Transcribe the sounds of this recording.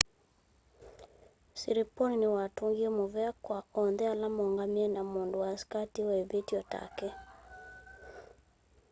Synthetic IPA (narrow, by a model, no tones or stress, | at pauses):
siɾeponinewatoŋɡiemoβɛakwaɔndɛalamɔŋɡamiɛnamondowaskatiwɛβetiɔta̰kɛ